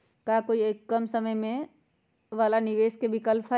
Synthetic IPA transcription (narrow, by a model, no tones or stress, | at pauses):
kaːkoːieːkːəmsəməjmẽ | ʋalanɪʋeːskebʱɪkəlpʰa